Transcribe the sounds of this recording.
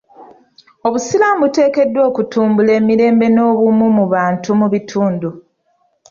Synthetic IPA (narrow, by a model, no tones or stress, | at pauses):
o̞βusilambute̞ːke̞dːwo̞ːkutuːmbule̞ːmiɾe̞ːmbe̞no̞ːβumumuβaːntumuβitʰuːndu